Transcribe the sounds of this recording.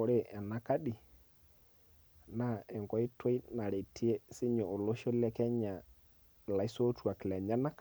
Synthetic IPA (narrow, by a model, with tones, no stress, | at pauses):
o˨ɾe˦˨ʔɛ˨na˨ka˦ɗi˨ | na˦˨ɛ˨ŋkɔ˨˦i˦twe˦i˦na˨ɾe˨tʰi˦e˦sɪ˦ɲo˨o˨lo˦ʃo˦lɛ˦kɛ˦ɲa˨ | la˨i˦so˦tu˦a˨klɛ˨ɲa˦na˦k